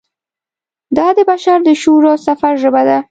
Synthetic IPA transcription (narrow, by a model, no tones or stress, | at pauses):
d̪ɑd̪əbaʃaɾd̪əʃuɾosafaɾʒəbad̪a